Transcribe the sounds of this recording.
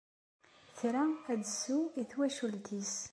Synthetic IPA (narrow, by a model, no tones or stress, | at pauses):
θɾææd̪əsuiθwæʃult̪is